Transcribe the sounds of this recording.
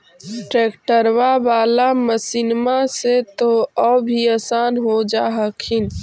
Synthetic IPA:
ʈɾeːkʈəɾwabaːlaməsɪnmaset̪oɔbʱiəsaːnɦod͡ʒaɦəkʰin

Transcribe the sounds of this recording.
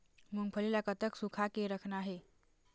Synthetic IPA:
muŋpʰəlilakət̪əksukʰakeɾəkʰnaɦe

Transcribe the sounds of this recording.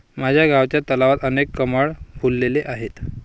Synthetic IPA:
mad͡ʑʱjaɡʱaʋt͡ɕjat̪əlaʋat̪ənekːəmaɭbʱulːeleʔaɦet̪

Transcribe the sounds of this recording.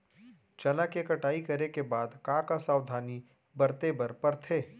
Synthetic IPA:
t͡ʃɐlakekɐʈaːikɐɾekebaːd̪kãːkasaːwd̪ʱaːni | bɐɾt̪ebɐɾpɐɾt̪ʰeː

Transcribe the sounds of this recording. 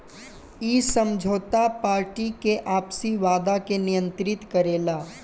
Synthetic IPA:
iːsəmd͡ʒʱoːt̪apaːɾʈikeʔaːpsiʋaːd̪akenɪjə̃nt̪ɾɪt̪kəɾeːlaː

